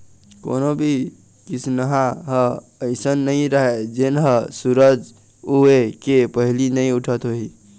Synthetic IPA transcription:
ko̰nobʱi | kisʰnəɦaɦə̃ | əɪsənːəiɾəɦɛd͡ʒenɦə̃suɾəd͡ʒ | uekepəɦilinəjuʈʰət̪ɦoɦi

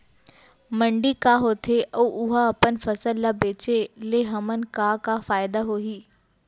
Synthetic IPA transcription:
mɐ̃ɳɖikaɦoːt̪ʰeʔɔːʔʊɦaɐpənfɐsəlːabeːt͡ɕeleɦɐmənkakafaːjɪd̪aɦoːɦiː

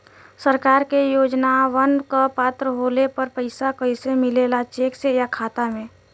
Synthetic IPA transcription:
səɾkaːɾkejoːd͡ʒnaʋənkapaːt̪ɾəɦoːlepəɾpəɪsakəɪsemɪleːlat͡ʃeːksejakʰaːt̪amẽː

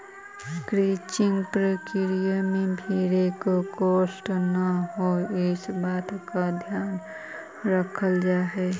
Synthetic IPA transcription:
kɾiːt͡ʃɪŋɡpɾəkiɾijəmẽbʱiːɾekokoːsʈnəɦoɪsbaːt̪kad̪ʱjaːn | ɾəkʰəld͡ʒaːɦɛː

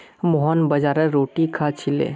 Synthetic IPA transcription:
moɦɔnbɐd͡ʒaːɾəɾoːʈikʰat͡ʃʰilḛː

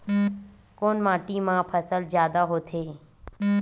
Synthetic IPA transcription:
koːnmãːʈiːmãːpʰəsəlzjaːd̪aːɦoːt̪ʰeː

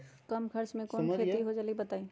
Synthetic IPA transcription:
kɐmkʰɐɾt͡ʃmẽkɔːnkʰeːt̪iɦod͡ʒalɡibɐt̪aːi

